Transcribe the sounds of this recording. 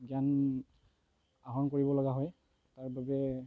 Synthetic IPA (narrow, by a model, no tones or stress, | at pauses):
ɡan | aɦɔnkoɹibɔlɔɡaɦɔj | taɹbabɛ